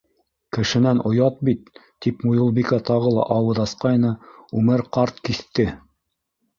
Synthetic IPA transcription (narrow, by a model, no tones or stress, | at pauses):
kɘ̆ʃɘ̆nænʔŏjɑt̪̚bit̪ː | ipmujŏlˠbikɑt̪ɑʁɤlˠɑ̰ʔɑwɤðɑsqɑjnɤʉmɘɾqɑɾt̪kiθt̪ɘ